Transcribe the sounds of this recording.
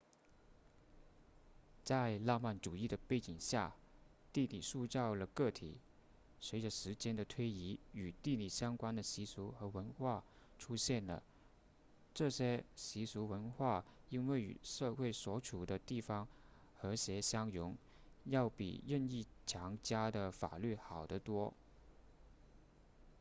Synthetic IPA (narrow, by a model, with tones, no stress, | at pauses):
t͡sa˥˧ɪla˥˧ma˥˩nʈ͡ʂu˨˩i˥˩d̪ə˩pe˥˩ɪt͡ɕi˨˩ŋɕja˥˩ | t̪i˥˩li˨˩ʂu˥˧t͡sɑ˥˩ʊlə˩kɤ˥˩t̪ʰḭ˨˩˦ | swe˧˥ɪʈ͡ʂə˧ʂɻ̩˧˥t͡ɕjɛ˥nd̪ə˨t̪ʰwe˥ɪi˧˥y˨˩t̪i˥˩li˨˩ɕjɑ˥ŋkwa˥nd̪ə˨ɕi˧˥su˧˥xɤ˧˥wə˧˥nxwa˥˩ | ʈ͡ʂʰu˥ɕjɛ˥˩nlə̰˩ | ʈ͡ʂɤ˥˩ɕjɛ˥ɕi˧˥su˧˥wə˧˥nxwa˥˩i˥nwe˥˩ɪy̰˨˩ʂɤ˥˧xwe˥˩ɪswɔ˧˥ʈ͡ʂʰu˨˩d̪ə˦t̪i˥˩fɑ˥ŋ | xɤ˧˥ɕjɛ˧˥ɕjɑ˥ŋjʊ˧˥ŋ | jɑ˥˩ʊpḭ˨˩ɻə˥˧ni˥˩t͡ɕʰjɑ˧˥ŋt͡ɕja˥d̪ə˨fa̰˨˩ly˥˩xɑ˨˩ʊd̪ə˦t̪wɔ˥